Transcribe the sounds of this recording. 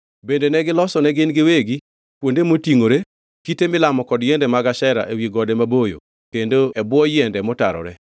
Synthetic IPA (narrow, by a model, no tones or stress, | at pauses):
bendenɛɡɪlɔsɔnɛɡɪnɡɪweɡi | kwondemotiŋoɾe | kitemɪlamɔkɔdjɛndɛmaɡaʃɛɾa̰ʔewjiɡɔdɛmabojo̰ | kendoɛbwɔjɛndɛmɔtaɾɔ̰ɾɛ̰